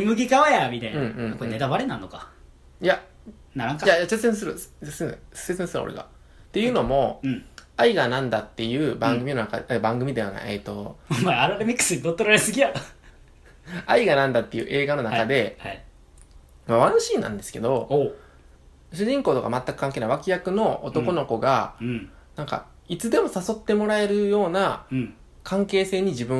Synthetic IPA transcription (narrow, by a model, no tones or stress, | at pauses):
imɯ̟ɡʲiɡaβajamʲit̪ainɯ̟̃ɴɯ̟̃ɴkoẽne̞t̪abaɾenãnːoka | ja | naɾãŋkajajaset͡sɨsẽs̬ɨɾɯ̟esẽ̥sesẽsɨɾɯ̰o̰ɾḛɡa̰ | t̪e̞jɯ̟ːno̞mõ̞aiɡanãnd̪at̪ːe̞jɯ̟ːbãŋɡɯmʲino̞naka̰d̪ebãŋɡɯ̟mʲid̪eana̰ʔḛt̪ːo̞maaɾad̪emʲikːɯ̥sɨd̪ot̪ːoɾaɾesɨɡʲia | aiɡanãnd̪at̪ːe̞jɯ̟̰ːʔe̞ːɡano̞nakad̪e̞ai | maβanoɕiːnã̰nd̪e̞sɨ̥ke̞̰d̪o̞o | ɕɨʑĩŋko̞ːt̪o̞ka̰mat̪ːakɯ̟̥kãŋkeːnaiβakʲijakɯ̟no̞ot̪o̞ko̞no̞ko̞ɡa | nãŋka̰ | it͡sɨd̪e̞mo̞saso̞t̪ːe̞mo̞ɾae̞ɾɯ̟jo̞ːna | kʰãŋke̞ːse̞ːɲ̟id͡ʑibɯ̟̃